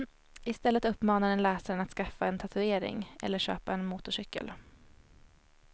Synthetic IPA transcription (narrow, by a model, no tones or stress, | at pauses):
ɪst̪ɛlːət̪ɵpːmɑːnaɾɛnlɛːsaɾənat̪skafːaɛnt̪ʰat̪ʰɵeːɾɪ̰ŋʔɛ̰lːəʂø̰ːpaɛnmuːt̪ʊʂʏkːə̰l